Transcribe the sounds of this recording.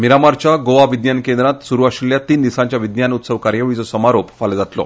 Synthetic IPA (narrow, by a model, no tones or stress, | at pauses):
miɾamaɾt͡ɕaɡoʋaʋid̪jankend̪ɾãt̪suɾuaɕiljat̪iːnd̪isãɲt͡ɕjaʋid̪janut̪səʋkaɾjəʋɭit͡sɔsəmaɾopfald͡zat̪lɔ̰